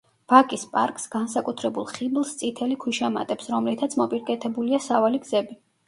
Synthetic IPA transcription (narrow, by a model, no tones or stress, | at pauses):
v̥akʼispʼa̰ɾkʼsɡ̥ans̬akʼut̪ʰɾɛbulˠχiblˠst̪sʼit̪ʰɛlikʰwiʃama̰t̪ʼɛpsɾɔmlit̪ʰat̪sʰmɔpʼiɾkʼɛt̪ʰɛbuliasavaliɡzɛbi